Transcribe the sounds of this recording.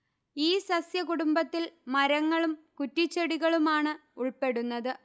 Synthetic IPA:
iːsɐsjɐkuɽumbɐt̪ːilmɐɾɐŋːɐɭumkutːit͡ɕːɐɽiɣɐɭumaːɳɨuɭpe̞ɽunːɐðɨ

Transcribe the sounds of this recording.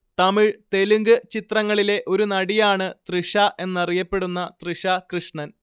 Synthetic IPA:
t̪ɐmiɻt̪e̞luŋɡɨt͡ɕit̪rɐŋːɐɭile̞ʔo̞ɾunɐɽijaːɳɨt̪riʂɐʔe̞nːɐrijɐpːe̞ɽunːɐt̪riʂɐkrɨʂɳɐn

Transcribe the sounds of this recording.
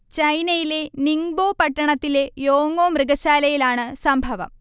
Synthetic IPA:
t͡ɕɐjnɐjile̞niŋboːpɐʈːɐɳɐt̪ːile̞joːŋoːmrɨɡɐɕaːlɐjilaːɳɨsɐmbʱɐʋɐ̰m

